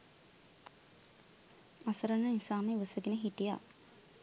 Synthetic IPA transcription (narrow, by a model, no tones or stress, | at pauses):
ɐsɐɾɐnəinsaːmeʋəsəɡinəɦiʈija̰